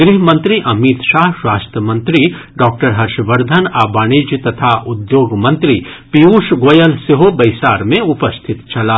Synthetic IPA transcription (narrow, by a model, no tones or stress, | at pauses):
ɡɾiɦmɐ̃nt̪ɾiʔɐmit̪ʃaːɦʃwaːst̪ɾəmɐ̃nt̪ɾi | ɖɔːk̚ʈəɾɦɐɾʃʋəɾd̪ʱənaːbaːɽ̃id͡ʒt̪ɐt̪ʰaʔʊd̪joːɡmɐ̃nt̪ɾipiuːʃɡoːjənseɦobɐɪsaːɾmẽʊpəst̪ʰɪt̪t͡ʃʰɐlaː